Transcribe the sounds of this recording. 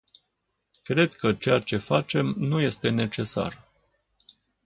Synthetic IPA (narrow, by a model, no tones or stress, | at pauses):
kɾe̞d̪kət͡ʃejat͡ʃe̞fat͡ʃe̞mnuje̞st̪e̞ne̞t͡ʃe̞sa̰r